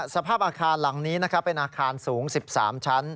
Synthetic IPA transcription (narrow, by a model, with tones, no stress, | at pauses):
sa˧pʰaː˥˩p̚ʔaː˧kʰaː˧nla˩˦ŋniː˦˥na˦˥kʰa˦˥pːe˧nʔaː˧kʰaː˧nsuː˩˦ŋsi˨˩p̚sa̰ː˩˦mt͡ɕʰa˦˥n